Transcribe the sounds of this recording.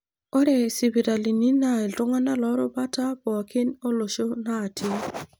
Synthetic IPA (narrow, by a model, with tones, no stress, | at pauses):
ɔ˦ɾɛ˨si˨bi˨ɾa˨li˨ni˦na˨e˨ltʊ˦ŋa˦na˦lɔ˦ɾɔ˦ba˦ta˦bɔ˨a˨ke˦no˦lo˨ʃo˦naː˦˨tʰi˦